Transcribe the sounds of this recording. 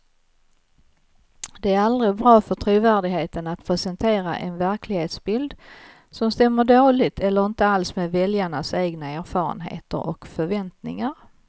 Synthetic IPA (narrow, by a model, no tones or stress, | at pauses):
d̪̥ɛæɾald̪ɾɪbɾɑːfœʈʰɾuːvæːɖɪɡheːt̪ənat̪̚pʰɾɛsənt̪ʰeːɾa̰ʔɛnvæɾklɪɡheːt̪sbɪld̪ | sɔmst̪ɛmːəɖoːlɪɡ̚t̪ʰɛlːəɾɪnt̪əalsmeːd̪vɛljaɳaseːɡnaæːɾfɑːɾə̰nɦḛːt̪ə̰ɾɔ̰kfœɾvɛnt̪nɪ̰ŋaɾ